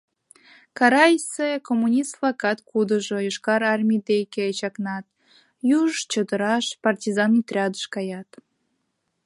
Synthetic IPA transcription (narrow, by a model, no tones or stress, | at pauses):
kɑɾɑjsekomːunʲist̪flˠɑkɑt̪kud̪əʒojoʃkɑɾɑrmʲid̪ejket͡ɕɑknɑt̪̚ | juʒt͡ɕəd̪əɾɑʃpɑrtʲizɑnit̪rʲɑd̪əʃkɑjɑt̪